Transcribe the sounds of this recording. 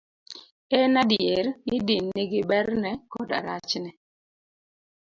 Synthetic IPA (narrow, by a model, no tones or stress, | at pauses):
ɛnadjeɾnɪdinːiɡɪbɛɾrnɛkɔda̰ɾat͡ʃnɛ